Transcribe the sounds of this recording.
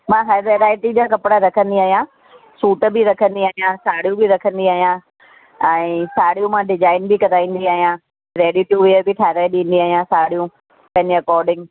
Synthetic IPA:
mãɦaɾʋeːɾaːɪʈid͡ʑaːkɐpɽaɾɐkʰə̃nd̪iaːɦijã | suːʈə̆bɪɾɐkʰə̃nd̪iaːɦijãsaːɽ̤ijũbɪɾɐkʰə̃nd̪iaːɦijã | ɛ̃ːsaːɽ̤ijũmãɖɪd͡ʑaːɪnbɪkɐd̪aːĩːn̆d̪iaːɦijã | ɾeːɗiʈjuʋiəbɪʈʰaːɾaːɗĩːn̆d̪iaːɦijãsaːɽijũ | pɐ̃ɦɪ̃ɲeɐkɔːɾɖɪ̃ŋɡ

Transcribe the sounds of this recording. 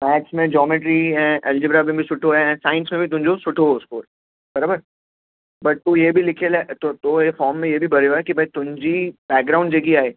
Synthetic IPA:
mɛːksmẽd͡ʒɔːmɪʈ̬ɾiɦɛ̃ʔɛld͡ʒɪbɾabẽbʱisʊʈʰoɦɛ̃ɛ̃saːɪ̃nsmẽbʱit̪̬ʊ̃md͡ʒosʊʈʰoʊskoːɾ | bɐɾaːbəɾ | bɐʈ̚t̪ujebʱilɪkʰelat̪ot̪oefɔːɾmːẽjebʱibɐɾejoɦɛkibʱɐit̪ʊɲd͡ʒibɛːk̚ɡɾaʊ̃ɳɖd͡ʒeɡiaːeː

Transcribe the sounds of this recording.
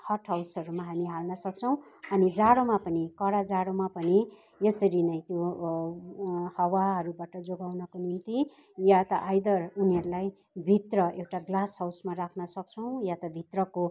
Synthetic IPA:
hʌʈʰɦawsʌɾumaɦamiɦalnʌsʌk̚t͡sʰʌw̃ | ʌnid͡zaɽomapʌnikʌɽad͡zaɽomapʌni | jʌsʌɾinʌj̃t̪jo | hʌwaɦʌɾubaʈʌd͡zoɡawnʌkonint̪i | jat̪ʌʔajd̪ʌruniʌɾulaj | bʱit̪rʌewʈaɡlasɦawsmarakʰnʌsʌk̚t͡sʰʌw̃jat̪ʌbʱit̪rʌko

